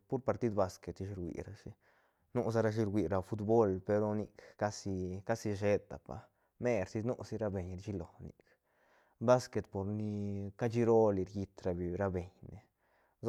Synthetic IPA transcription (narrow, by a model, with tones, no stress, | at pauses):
pu˦ɾpa˨ɾt̪i˦d̪ba˧ske˨t̪i˧ʃi˧ɾwʷḭ˨ɾa˧ʂi˧ | nu˦ʔs̬a˦ɾa˧ʃ̬i˧ɾɡʷi˧ɾa˧fu˧t̪bo˦lpe˧ɾo˧ni˧kka˦si˧ka˦si˧ʃe˧d̪a˨pa̰˨˧ | me˦ɾsi˧nu˦si˧ɾa˧be˨ɲɾt͡ʃi˦lo˨nḭ˨k | ba˦ske˨t̪po˨ɾni˧ka˦t͡ʃi˦ɾo˦li˧ɾji˧t̪ɾa˧bi˨ɾa˧be˨ɲne˨